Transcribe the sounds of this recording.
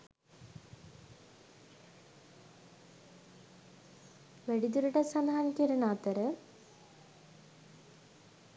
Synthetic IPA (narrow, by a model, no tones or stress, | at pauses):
ʋeɽid̪uɾuɽesaːd̪ʱaːnikʲːɐɾunaːt̪ːɐɾɨ